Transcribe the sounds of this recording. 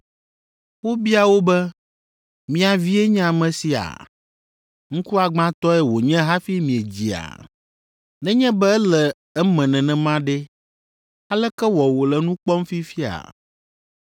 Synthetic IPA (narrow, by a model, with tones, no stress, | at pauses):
wo˦bi˦a˨wo˦bɛ˦ | mĩ˦a˨vi˦e˦ɲ̃˦a˨mɛ̃˨si˨a̰˨ | ŋ̩˦ku˦a˨ɡ͡bã˦t̪ɔ˦ɛ˦wo˨ɲɛ̃˦ɦa˦fi˦mĩ˨e˨d͡ʑi˨a̰˨ | nɛ̃˦ɲɛ̃˦bɛ˦ɛ˦lɛ˨ | ɛ˦mɛ̃˨nɛ̃˨nɛ̃˨mã˦ɖɛ˦ | a˦lɛ˦kɛ˦wɔ˨wo˨lɛ˨nũ˦k͡pɔ˦m˦fi˦fi˦a̰˨